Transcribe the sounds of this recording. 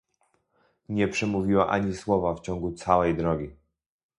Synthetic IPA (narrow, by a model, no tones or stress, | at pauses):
ɲɛpʂɛmuvʲiwaʔaɲiswɔvaft͡ɕɔŋɡut̪sawɛjd̪ɾɔɡʲi